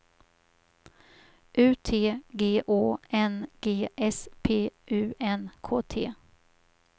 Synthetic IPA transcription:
ʔʉ̟ːt̪ʰeːɡeːʔoːɛnɡ̥eːʔɛspʰeːʔʉ̟ːɛnkʰoːt̪ʰḛː

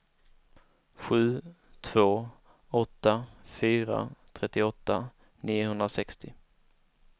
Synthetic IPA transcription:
ɧʉ̟ː | t̪ʰv̥oː | ɔt̪ːafyːɾa̰t̪ʰɾɛt̪ːɪɔt̪ːa | niːʊhɵnd̪ɾasɛkst̪ɪ

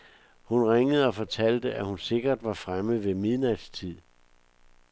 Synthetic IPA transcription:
hunʁaŋəð̞̩ˠɒ̽fɒ̽t͡sʰæl̰d̥əʔæhunse̝ɡ̥ɐd̥ʋɑ̈fʁaməð̩ˠʋe̝miðˠnæd̥st͡sʰið̰ˠ

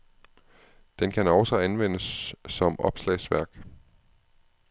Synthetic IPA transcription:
d̥enkʰænɒʊsɒ̽ænʋen̰əsːɒ̽mɒ̽b̥slɛ̰ɪsʋæɐ̰ɡ̥

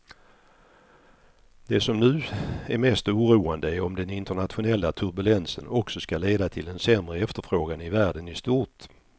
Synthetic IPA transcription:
d̪̥ɛsɔmnʉ̟ːæɾmɛst̪uːɾuːand̪əæɾɔmd̪ɛnɪnt̪əɳat̪ɧʊnɛlːat̪ʰɵɾbɵlɛnsənɔksɔskaleːd̪at̪ʰɪld̪ɛnsɛmɾəɛft̪əɾfɾoːɡanɪvæːɖənɪst̪uːʈ

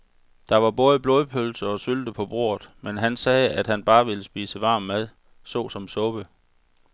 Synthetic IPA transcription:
d̥ɑ̈ʋɑ̈b̥ɔ̽ːð̞ˠəb̥lo̝ːð̞ˠpʰølsəɒ̽syld̥əpʰɒ̽b̥ʁo̝̰ɐðˠmenɦænsɛːæd̥ɦænb̥ɑ̈ːʋe̝ləsb̥iːsəʋɑ̈ːmːæðˠ | sɔ̰ːsɒ̽msɔ̽b̥ə

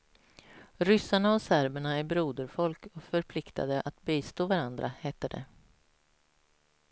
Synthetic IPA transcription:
ɾʏsːaɳaɔsæɾbəɳaæɾbɾuːd̪əɾfɔlkɔfœɾpʰlɪkt̪ʰa̰d̪əʔat̪biːst̪oːvaɾand̪ɾʔaheːt̪əɖɛ̰

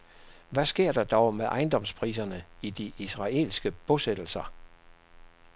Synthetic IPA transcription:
ʋæsɡ̥e̝ɐ̰d̥ɑ̈d̥ɒʊmeʔɑ̈ɪnd̥ɒ̽mspʰʁḭːs̬ɐnəid̥iʔisʁɑ̈e̝̰ːlsɡ̥əb̥ɔsed̥l̩sɐ

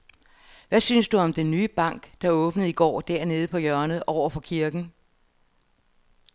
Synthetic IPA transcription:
ʋæsynsd̥uɒ̽md̥enːyːb̥ɑ̈ŋ̰ɡ̥d̥ɑ̈ɔ̽ːb̥nəð̩ˠiɡ̥ɒ̰ːd̥æɐ̰ne̝ːð̞̩ˠpʰɒ̽jɶɐnð̩ˠʔɒʊ̰ɐfɒ̽kʰiɐɡ̥n̩

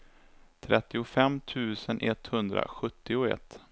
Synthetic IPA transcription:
t̪ʰɾɛt̪ːɪʊfɛmːt̪ʰʉ̟ːsənʔɛt̪hɵnd̪ɾa̰ɧɵt̪ːɪʊɛ̰t̪ː

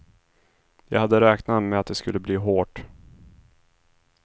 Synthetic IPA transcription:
jɑ̰ːɡhad̪ːəɾɛːknamɛat̪̚d̪ɛskɵlːəbliːɦoːʈ

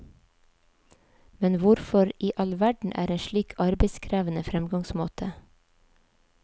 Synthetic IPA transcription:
mɛnʋʊɾfɔɾiːʔɑlʋæɖɳ̩ʔæ̰ːɾeːʃɭiːkʰɑɾbeɪskʰɾæːʋənəfɾɛmɡɑŋsmoːt̪ʰə

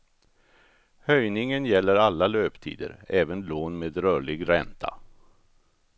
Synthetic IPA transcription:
hœjnɪŋənjɛlːəɾalːaløːpt̪ʰḭːd̪ə̰ɾɛːvənloːnmeːd̪ɾœːɭɪɡɾɛnt̪ʰa̰

